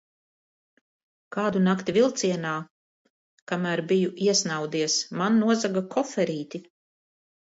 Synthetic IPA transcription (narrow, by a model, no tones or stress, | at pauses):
kaːd̪unakt̪ivilˠt̪siɛnaː | kamæːɾbijuʔiɛsnawd̪iɛsmanːuɔzaɡakʰɔfɛɾiːt̪ʲi